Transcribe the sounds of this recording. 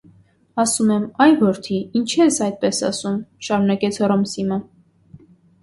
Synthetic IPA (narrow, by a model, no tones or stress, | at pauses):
ɑsumɛmɑjvɔɾt̪ʰiint͡ʃʰɛsɑjd̪̚pɛsɑ̰sumʃɑɾunɑkɛt͡sʰhɔrɔmsimə